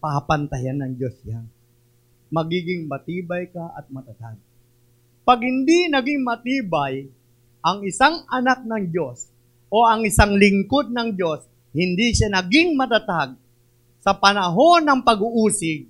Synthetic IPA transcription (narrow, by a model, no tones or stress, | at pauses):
pɐhapɐnt̪ɐjanːɐŋd͡ʒo̞sjan | mɐɡiːɡɪŋmɐt̪iːbɐjkɐʔɐ̰t̪̚mɐt̪ɐt̪aɡ̚ | pɐɡ̚hɪnd̪inɐɡɪŋmɐt̪iːbaj | ʔɐŋɪsaŋɐnak̚nɐŋd͡ʒo̞s | ʔo̞ʔɐŋɪsaŋlɪŋko̞d̪̚nɐŋd͡ʒo̞s | hɪnd̪iʃanɐɡɪŋmɐt̪at̪aɡ̚ | sɐpɐnɐɦo̞nɐŋpɐɡʊʔuːsɪɡ̚